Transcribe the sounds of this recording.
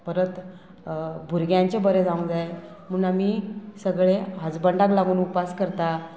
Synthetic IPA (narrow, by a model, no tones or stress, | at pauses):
pəɾət̪ | bʱuɾɡjãɲt͡ɕebəɾed͡zaũnd͡zaj | m̤unamiːsəɡɭeɦəd͡zbəɳɖaklaɡuːnupaskəɾt̪a